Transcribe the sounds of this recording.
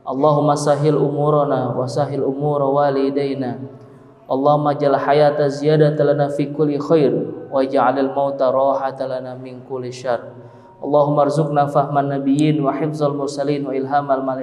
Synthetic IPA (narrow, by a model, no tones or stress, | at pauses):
ʔɑlˤːɑɦʊmːasaɦɪlʔumuɾnawasaɦɪlʔumuɾwalidajna | ʔɑlˤːɑɦumːad͡ʒalaħajat̪aziadat̪alanafikʊlːixajrwad͡ʒaʕalalmawt̪aɾˤɑːħat̪alanamɪnkʊlːiʃarˤ | ʔɑlˤːɑɦumːarzʊk̚nafaɦmanːabijinwaħɪfzalmʊrsaliːnwaɪlɦamalmal